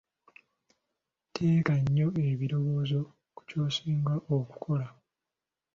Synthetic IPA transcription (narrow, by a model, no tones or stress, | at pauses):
tʰe̞ːkaɲːo̞eβiɾo̞βo̞ːzo̞ | ku̥co̞ːsiːŋɡaʔoku̥kʰo̞la